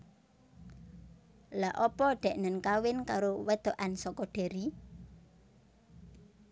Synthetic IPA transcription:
laʔɔpɔɖ̪̥ɛ̤ʔnənkawɪnkaɾowɛd̪̥o̤ʔansɔkɔɖ̪̥e̤ɾi

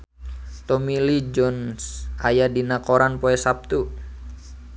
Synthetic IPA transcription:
t̪ɔmilid͡ʒɔnsʔajadinakoɾanpoɛsap̚t̪u

